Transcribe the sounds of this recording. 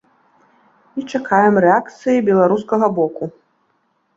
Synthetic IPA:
it͡ʂakʰajɛmrɛakt̪sɨjibʲɛlˠaɾuskɐɣɐbɔku

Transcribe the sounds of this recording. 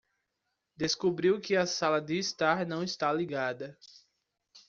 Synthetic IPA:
d̪eskubɾiwkɪɐsalɐd̪ɪːst̪aɾnɐ̃w̃ist̪aliɡad̪ɐ

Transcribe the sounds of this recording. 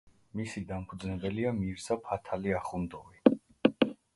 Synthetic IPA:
misid̪ampʰud̪znɛbɛliamiɾsapʰat̪ʰaliaχund̪ɔvi

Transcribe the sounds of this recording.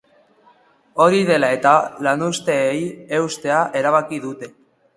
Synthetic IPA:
o̞ɾiðe̞lae̞t̪alanust̪e̞ːje̞wst̪e̞aʔe̞ɾaβ̞akiðut̪e̞

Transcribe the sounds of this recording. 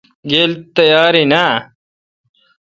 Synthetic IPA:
ɡeːlt̪ɐjaːɾina

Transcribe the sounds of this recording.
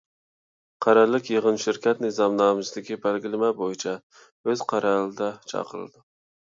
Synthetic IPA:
qʰɑɾɑlːɪkʲjeʁənʃɪɾkʲɛt̪nɨzɑmnɑːmɨsɨd̪ɪkʲʰibælɡʲɪlɪmɛbojit͡ʃʰɛ | øz̥qʰɑɾɑlˠɨd̪ɛt͡ʃʰɑ̰qʰəɾɨ̰d̪ɪ

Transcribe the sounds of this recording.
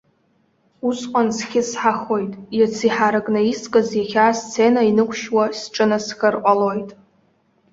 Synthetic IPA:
usqʷʼansχʲɪsħaχo̞jtʼjat͡sʰiħaɾakʼnaiskʼazjaχʲaːst͡sʰenainɨkʷʰʃwasʈ͡ʂʼɨnasχʲɨrqʷʼalo̞jtʼ

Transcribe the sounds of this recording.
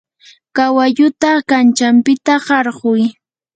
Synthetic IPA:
kawaʎʊt̪akant͡ʃampɪt̪aɢɑɾɢʊj

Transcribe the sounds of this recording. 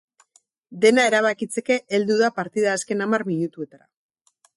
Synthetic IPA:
d̪e̞nae̞ɾaβ̞akit͡se̞ke̞ʔːld̪uðapaɾt̪iðaːske̞namarmiɲut̪ue̞t̪aɾa̰

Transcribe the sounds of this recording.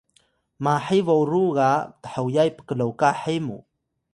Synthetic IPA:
maħivowɾuɣatə̥ħəwjajpə̥kəlowkaħimṵ

